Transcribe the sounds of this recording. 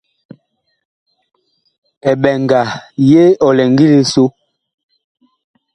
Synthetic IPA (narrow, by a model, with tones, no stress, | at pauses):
ɛ˨ɓɛ˨ŋɡa˨je˦ɔ˨lɛ˨ŋɡi˦le˨so˦